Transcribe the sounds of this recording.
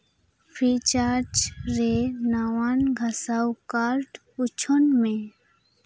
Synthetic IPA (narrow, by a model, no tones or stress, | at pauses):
pʰit͡ʃaːɾd͡ʒɾenawanɡʱasawkaːɾʈ | ʊt͡ʃʰonmẽ